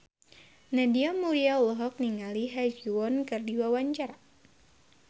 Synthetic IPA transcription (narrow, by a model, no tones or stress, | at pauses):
nadiamuɾiaulɔɦɔk̚niŋaliɦad͡ʒuɔnkɨrdiwawaɲt͡ʃaɾa